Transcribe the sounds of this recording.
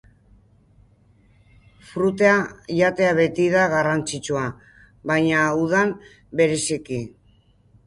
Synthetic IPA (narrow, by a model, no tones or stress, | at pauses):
fɾut̪eaʝat̪e̞aβe̞t̪iðaɣarant͡sit͡ʃua | βajɲauð̞am | be̞ɾe̞siki